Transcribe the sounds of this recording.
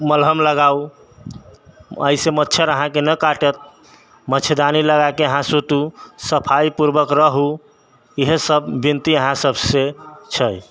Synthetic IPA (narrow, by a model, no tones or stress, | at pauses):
məlɦəmləɡau | ə̰isemətːt͡ʃʰəɾəɦãkenəkaʈət̪̚ | mət͡ʃʰəd̪aniləɡakeəɦãsot̪usəpʰaipuɾbəkɾəɦu | iɦesəbːint̪iəɦãsəbʱset͡ʃʰəj